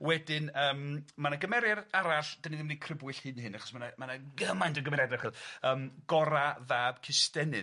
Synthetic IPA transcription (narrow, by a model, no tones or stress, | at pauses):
wɛdɪnəːmmanaɡəmɛɾjaraɾaɬd̥aniðɪmnikʰrɪbwɨɬhɨnhɨnaχɔ̥smanamanaɡəmajntəɡəmɛɾjadarχiːlˠəːmɡ̥ɔɾaðaːb̥kʰɪstɛnɨ